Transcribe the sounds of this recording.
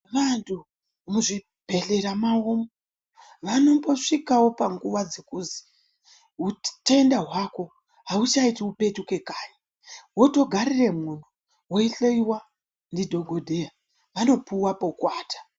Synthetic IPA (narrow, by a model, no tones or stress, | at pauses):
ʋantʰu | muʐi | b̥ʱe̞ɬe̞ɾamaomo | ʋano̞mbo̞ʂikawo̞paŋɡuʋad͡ze̞kuzi̥ | utaendaɦwako̞ | ɦaut͡ʃaitiupe̞tuke̞kaːɲa | wo̞to̞ɡʱarire̞mun̤u | woiɬoiwa | ndidʱo̞ɡʱo̞dʱea | ʋano̞puwapo̞kwaːtḁ